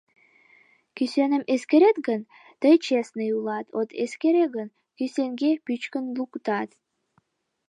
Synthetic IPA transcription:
kysenəmeskeɾet̪ɡən | t̪əjt͡ɕesneulɑt̪ot̪eskeɾeɣən | kyseŋɡepyt͡ɕkənlukt̪ɑt̪

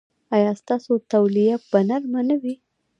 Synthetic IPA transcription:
ɑjɑst̪ɑsot̪awlijapbanaɾmanawi

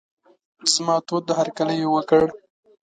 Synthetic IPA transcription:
z̥mɑt̪od̪ːəhaɾkaləjowəkəɽ

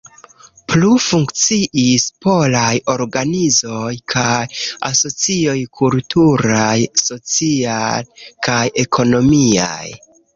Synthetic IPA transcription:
plufuŋkt͡siʔispo̞lajo̞ɾɡanizo̞jkʰaja̰so̞t͡sio̞jkʰultʰuɾajso̞t͡siakaje̞kʰo̞no̞mia̰j

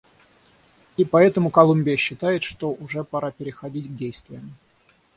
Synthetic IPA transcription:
ipɐɛt̪əmʊkɐlˠumʲbʲɪjəɕːɪt̪ajɪt̪ʂt̪oʔʊʐɛpɐɾʔapʲɪɾʲɪxɐdʲitʲɡ̚dʲejst̪vʲɪjəm

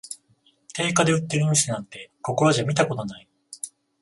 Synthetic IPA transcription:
t̪e̞ːkad̪e̞ɯ̟t̪ːeɾiɲ̟isenakt̪ːe̞ko̞ko̞ɾoʑamʲit̪ako̞t̪o̞nai

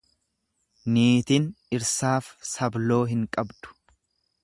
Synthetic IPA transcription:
niːt̪ɪnɪɾsaːfsɐblo̞ːɦɪŋkʼɐbd̪̥ʊ̥

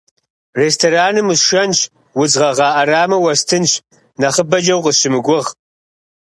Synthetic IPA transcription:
reːstʰoːɾaːnɨmɨsʃɐnɕ | wʊzʁɐʁɑːʔɐraːmɐwɐstʰɨnɕ | nɐχəbɐd͡ʒɐwqəɕɪmɨɡʷʊʁ

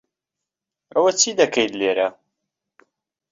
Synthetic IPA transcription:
æwæt͡sːid̪ækːæjd̪liɾæ

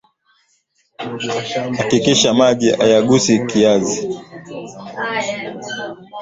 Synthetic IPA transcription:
hakikiʃamaʄiajaɠusikiazi

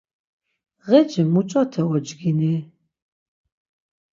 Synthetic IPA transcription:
ʁɛd͡ʒimut͡ʃʼɔt̪ʰɛwɔd͡ʒɡini

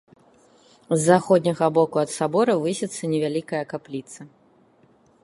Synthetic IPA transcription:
zːaxɔd̪ʲnʲɐɣɐbɔkuɐt̪sabɔɾɐvɨsʲɛt̪sːɐnʲɛvʲalʲikɐjɐkaplʲit̪sɐ

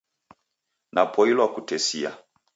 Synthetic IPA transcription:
napʰɔilwakutɛsia̰

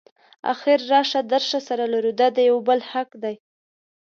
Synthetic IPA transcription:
a̰xɪɾːɑʃad̪əɾʃasaɾalaɾud̪ɑd̪əjawbəlhakd̪aj

